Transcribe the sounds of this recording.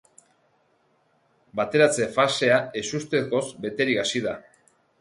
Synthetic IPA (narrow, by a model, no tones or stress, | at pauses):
bat̪e̞ɾat͡se̞fase̞ae̞sust̪e̞ko̞zbe̞t̪e̞ɾikasiða